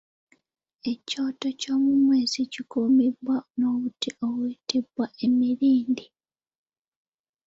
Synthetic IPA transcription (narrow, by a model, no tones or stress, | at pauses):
e̞co̞ːto̞co̞ːmumweːz̥icikumibwano̞βutiʔowiːtibwae̞miɾiːndi